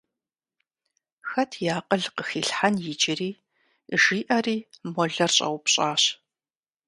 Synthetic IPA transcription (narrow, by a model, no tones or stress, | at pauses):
xɐtʰjaːqʼəɮqəxiːɬħanjɪd͡ʒɪriː | ʒiːʔɐriːmɔɮɐrɕʼɐ̰wpɕʼaːɕ